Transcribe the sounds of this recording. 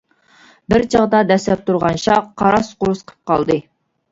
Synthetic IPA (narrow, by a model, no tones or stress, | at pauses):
bɪɾd͡ʒʰɑʁd̪ɑd̪ɛsɛp̚t̪ʰuɾʁɑnʃɑqʰːɑɾɑsqʊɾusqʰə̥p̚qʰɑlˠd̪ɨ